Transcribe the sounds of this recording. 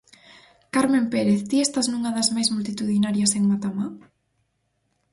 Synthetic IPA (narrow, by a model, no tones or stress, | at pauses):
kaɾmẽmpeɾeθt̪iɛst̪ɐsnuŋɐðɐzmajzmult̪it̪uðinaɾjɐseŋmat̪ama